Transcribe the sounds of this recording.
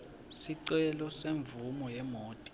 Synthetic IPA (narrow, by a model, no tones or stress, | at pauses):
siǀɛlɔseɱvumɔjɛmoːtʼi̥